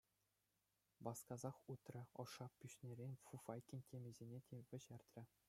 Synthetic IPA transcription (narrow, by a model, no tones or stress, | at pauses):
bɑskɑzɑχut̪rʲɘ̆ɤ̆ʂɑpʲːyɕnʲeɾʲenʲfufɑjkʲinʲtʲemʲɘ̆zʲenʲetʲʰeʋʲɘ̆ʑɘrʲt̪ʲrʲɘ̆